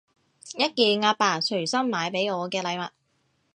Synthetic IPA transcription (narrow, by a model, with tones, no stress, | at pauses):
jɐ˥t̚kiː˧ŋaː˧paː˨˩t͡ʃʰɵ˨˩ɥsɐ˥mːaː˨˧jpe˨˥jɔː˨˧kɛː˧lɐ˨˧jmɐ˨t̚